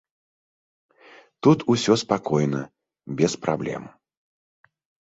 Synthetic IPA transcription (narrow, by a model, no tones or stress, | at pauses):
t̪ut̪ʰusʲɔspakɔjnɐ | bʲɛspɾa̰blʲɛ̰m